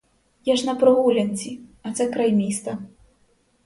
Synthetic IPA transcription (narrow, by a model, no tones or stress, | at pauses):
jaʂnɐpɾɨɣulʲɐnʲt͡sʲiɐt̪sakɾajmʲist̪ɐ